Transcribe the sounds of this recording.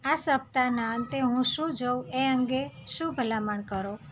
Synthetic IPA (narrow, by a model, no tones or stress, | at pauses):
asəp̚t̪anant̪eɦũʃũd͡ʒoweəŋɡeʃũbʱəlamaɳkəɾo